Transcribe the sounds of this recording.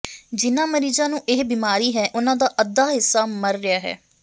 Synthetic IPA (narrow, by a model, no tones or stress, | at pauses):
d͡ʒɪnãːməɾiːzãːnũːʔɪɦbiːmaːɾiːɦɛːʔʊnãːd̪aːʔəd̪ːaːɦɪsːaːməɾːɪjaːɦɛ̰ː